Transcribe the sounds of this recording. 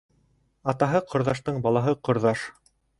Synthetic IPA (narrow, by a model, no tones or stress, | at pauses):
ɑt̪ɑɦɤqʰŏɾðɑʃt̪ɤɴbɑlˠɑɦɤqŏɾðɑʃ